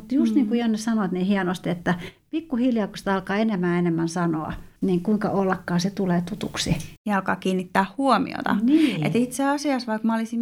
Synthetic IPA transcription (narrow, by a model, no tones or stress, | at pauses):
mut̪just̪niːŋkuihɑnnesɑnot̪niːhiɛnost̪et̪ːæpikːuhiljɑːkosi̥t̪ɑlkɑːenemæːenemːænsɑno̰ɑ̰niːŋkuiŋkɑ̰ʔolːɑkːɑːset̪uleːt̪ut̪uksijɑɑlkɑːkiːnːit̪ːæːhhuomḭo̰t̪ɑ̰ḛt̪it̪seɑsiɑsʋɑikmɑolisim